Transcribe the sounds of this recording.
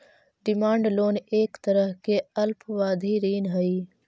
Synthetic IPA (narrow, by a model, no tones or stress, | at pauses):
ɖimɑːɳɖloːneːkt̪ɐɾəhkeɐlpwɑːd̪ʱiɾiːnɦəi